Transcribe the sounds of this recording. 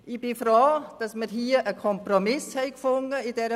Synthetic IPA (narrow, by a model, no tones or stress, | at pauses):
ɪb̥ɪfɾoːd̥ɑsməɾɦiːəʔəkʰɔmpromɪshɛɪkfʊŋəidɛɾə